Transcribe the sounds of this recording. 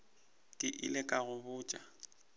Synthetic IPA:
kʼɪʔɪlɛkʼaɣʊbʊːt͡ʃʼa

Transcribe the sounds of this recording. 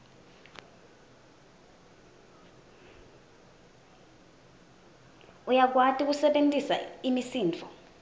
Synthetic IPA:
ujak̬watʼik̬usɛɓentʼisa̰imisiːnt͡fʰʼɔ

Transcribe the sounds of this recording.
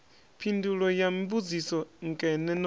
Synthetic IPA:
pʰinduɺɔjamibud͡zisɔŋkʼɛnɛn

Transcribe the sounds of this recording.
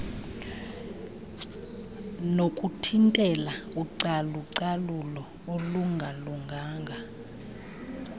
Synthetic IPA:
nokʼutʰintʼɛlauǀaluǀalulɔ | oluŋɡʱaluŋɡʱaːŋɡʱa

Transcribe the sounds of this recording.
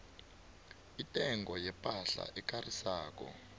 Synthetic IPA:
itʼɛŋɡɔjɛpʼaɬa̰ʔɛk̬ʼarisaːk̬ɔ̰

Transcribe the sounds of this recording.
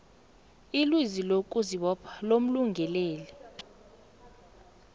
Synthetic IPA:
ilwizilok̬ʼuziɓɔpʰḁlom̩luŋɡʱɛleːli

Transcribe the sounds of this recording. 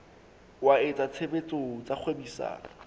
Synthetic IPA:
waɪt͡sat͡sʰebet͡sot͡sak͡xʰwebisa̰ːŋa

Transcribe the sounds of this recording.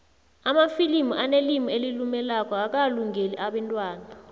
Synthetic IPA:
amafilimɔʔanelimielilumɛlakʼɔak̬ʼaluŋɡʱeliʔaɓɛntʼwaːna

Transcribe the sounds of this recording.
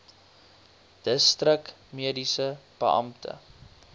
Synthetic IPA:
d̥əstrəkmiədisəb̥ə̰ɐ̰mtə̰

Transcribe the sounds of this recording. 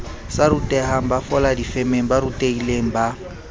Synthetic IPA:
saɾutʼɛɦam̩bafɔladifɛmeŋ̩baɾutʼeileŋ̩ba

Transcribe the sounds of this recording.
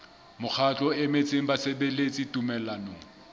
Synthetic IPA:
mʊk͡xʰat͡ɬʼɔɪmet͡sʼɪŋ̩basebelet͡sʼitumɛlanoŋ̩

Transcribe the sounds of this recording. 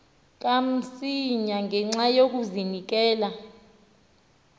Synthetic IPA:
k̬ʼam̩siɲaŋɡʱɛŋ͡ǁajok̬ʼuzinik̬ʼɛːla

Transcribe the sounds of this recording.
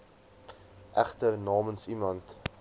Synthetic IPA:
ʔæχtərnɑːmənsimɐnt

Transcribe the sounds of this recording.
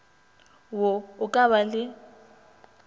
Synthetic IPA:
wɔʊkʼaβalɪ

